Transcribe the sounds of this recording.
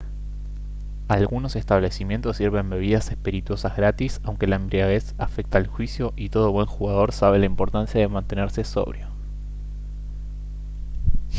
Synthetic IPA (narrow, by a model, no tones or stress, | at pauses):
alɣuno̞se̞st̪aβ̞le̞simje̞nt̪o̞sːiɾβe̞mbe̞β̞iðase̞spiɾit̪wo̞sazɣɾat̪isawŋke̞laembɾiaɣesafek̚t̪aːlxwisjo̞ʔit̪o̞ð̞o̞βwe̞ŋxuɣað̞o̞ɾsaβe̞laimpo̞ɾt̪ansjaðe̞mãnt̪e̞neɾse̞so̞̰βɾjo